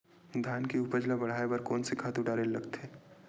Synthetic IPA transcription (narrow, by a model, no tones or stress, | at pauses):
d̪ʱaːnkiʊpəd͡ʒlabɐɽ̤aːebɐɾkɔːnsekʰaːt̪uɖaːɾeːlːɐɡt̪eː